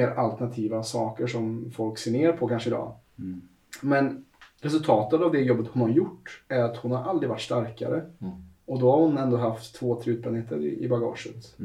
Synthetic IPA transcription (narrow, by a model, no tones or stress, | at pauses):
eːɾalt̪ɛɳat̪ʰiːvasɑ̰ːkəʂɔmfɔlkseːneːɾapʰɔkʰanʂəɪd̪ɑ̰ː | mɛn | ɾɛs̬ɵlt̪ʰɑːt̪ət̪avd̪ɛjɔbːət̪hʊnhaɾjʊʈːæɾat̪hʊnhaɾʔald̪ɾɪvaʈːʂst̪aɾka̰ɾə | ɔd̪ɔhaɾhʊnɛnd̪oːɦaft̪ʰːvoːt̪ʰɾeʉːt̪̚pɾaneːt̪ʰːəɾɪ̰ɪ̰baɡɑ̰ːʂət̪